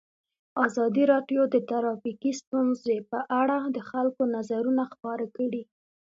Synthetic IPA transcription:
ɑzɑd̪iɾɑɖjod̪ət̪aɾɑfikist̪unzepəʔaɽad̪əxalkonazaɾunaxpɑɾakəɽi

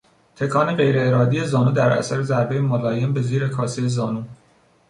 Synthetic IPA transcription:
t̪ʰe̞kʰɒːne̞ɢe̞jɾe̞ːɾɒːd̪ije̞zɒːnuːd̪æɾæ̰sæɾe̞zæɾbe̞jemolɒːje̞mbe̞ziːɾe̞kʰɒːsijezɒːnuː

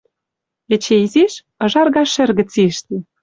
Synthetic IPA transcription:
ĕt͡ɕeiziʃ | ɤ̆ʒɑrɣɑʃɘ̆rɣɘ̆t͡siʃt̪e

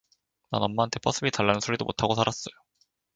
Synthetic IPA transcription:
na̰nʌmːaantʰe̞p͈ʰʌs͈ʰɯbitaɭːanɯnsʰoɾidomotʰaɡosʰaɾas͈ʌjo

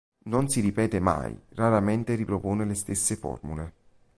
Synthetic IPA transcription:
nonsiɾipɛːt̪ema̰jraɾament̪eripɾopoːnelest̪esːefɔ̰rmṵle

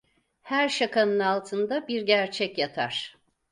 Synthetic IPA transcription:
hæɾʃakʰanɯnalˠt̪ʰɯnd̪abiɾɟæɾt͡ʃʰɛcjat̪ʰa̰ɾ̥

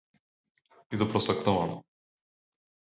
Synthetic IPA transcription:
id̪ɔpɾɔsakt̪ɔvanɔ

